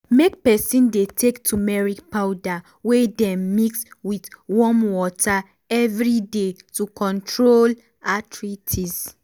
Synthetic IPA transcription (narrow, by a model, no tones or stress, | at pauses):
mek̚pɛsĩndetʰektʰumɛɹikpaʊda | wedɛ̃mːikswitwɔmwɔtʰa | ɛvɹidetukɔ̃ntʰɹol | atʰɹitʰiz